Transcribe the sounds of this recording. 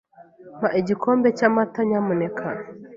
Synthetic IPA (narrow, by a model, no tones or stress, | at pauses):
maʔeɟikʰoːmbecamataɲamunekʰana